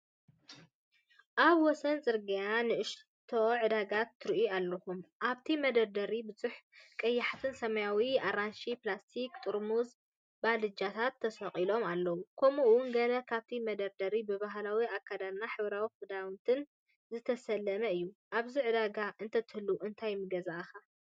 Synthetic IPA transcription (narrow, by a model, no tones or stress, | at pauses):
ʔaβwɔsɐnt͡sʼɨɾɡɐjanɨʔɨʃ | t̪ʰoʕɨd̪aɡat̪ːɨɾʔualːɐxumʔaβt̪ʰimɐd̪ɐɾd̪ɐɾibɨzuħkʼɐjːaħat̪ʰɨnsɐmɐjawiaɾanʃiplast̪ʰikt̪ʼɨɾmuz | balɨd͡ʒat̪ʰat̪ʰːɐsɐχʼilo̞malːɐwukʰomuwʊnɡɐlɐkʰaβt̪ʰimɐd̪ɐɾd̪ɐɾibɨbaɦlawiakʰːad̪aɾnaħɨβɾawifɨd̪awnt̪ʰɨn | zɨt̪ʰɐsɐlːɐmɐɨjːuʔaβziʕɨd̪aɡaʔɨnt̪ʰɐt̪ʰɨhɨlːuʔɨnt̪ʰajmɨɡɐzaʔxa